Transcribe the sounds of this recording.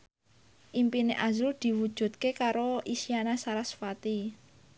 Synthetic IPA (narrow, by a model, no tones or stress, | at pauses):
ʔimpineʔazuld̪̥i̤wud̥ʒ̥ṳt̪̚kekaɾoisianasaɾasfat̪i